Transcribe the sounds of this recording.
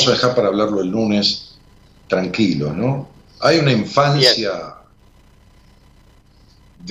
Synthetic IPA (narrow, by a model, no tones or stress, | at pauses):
saðexaɾpaɾaːβlaɾlo̞elnunes | t̪ɾaŋkilo̞̰no | ajunaiɱfansja | ð